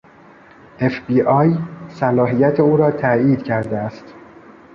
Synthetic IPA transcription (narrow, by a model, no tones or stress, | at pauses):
ʔefbiːʔɒːjsælɒːɦijæt̪ʰe̞uːɾɒːt̪ʰæiːd̪cʰæɾd̪eæst̪